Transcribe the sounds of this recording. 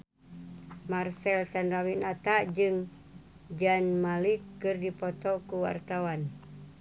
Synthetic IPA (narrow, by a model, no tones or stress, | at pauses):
marsɛlsanrawinat̪aʔd͡ʒɨŋ | d͡ʒanmalikːɨrdipɔt̪ɔkuwa̰rt̪awan